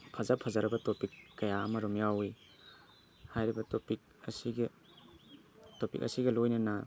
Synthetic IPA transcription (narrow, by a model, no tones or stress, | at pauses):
pʰɐzapʰɐzaɾɐbɐtopikːɐjaɐmɐɾomjawi | hajɾibɐtopik̚ɐ̰siɡ | topḭkɐ̰siɡɐlojnɐnɐ